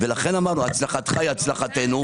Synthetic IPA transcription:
velaχe̞namaʁnuat͡slaχat̪χajat͡slaχate̞nu

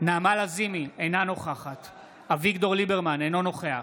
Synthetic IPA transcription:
naːmalazimiejnano̞χaχat̪ | avikdo̞ʁlibeʁmanejnono̞χea

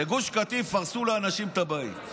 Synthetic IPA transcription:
eɡuʃkat̪ifaʁsuleanaʃimt̪abaḭ

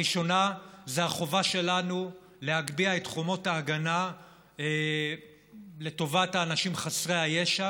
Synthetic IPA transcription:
iʃo̞nazeaχo̞vaʃe̞lanu | le̞haɡbiaetχomo̞taːɡana | e | le̞to̞vathaːnaʃimχasʁehajeʃa

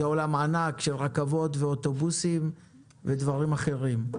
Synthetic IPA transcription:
eolamaːnakʃe̞lʁakavo̞t̪veot̪o̞busim | ved̪vaʁimaχe̞ʁim

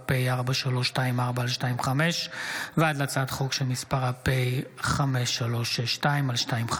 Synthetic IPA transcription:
pejaʁbaʃalo̞ʃtaimaʁbaːlʃtaimχameʃvead̪lat͡sat̪χo̞kʃelmispaʁapejχameʃːalo̞ʃeʃtaimalʃtaimχ

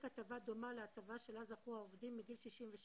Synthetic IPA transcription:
kat̪avad̪o̞maleat̪avaʃelazaχuaovdimːiɡilʃiʃimveʃ

